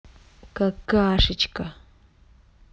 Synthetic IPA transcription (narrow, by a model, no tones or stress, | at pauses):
kakaːʂɪt͡ʃka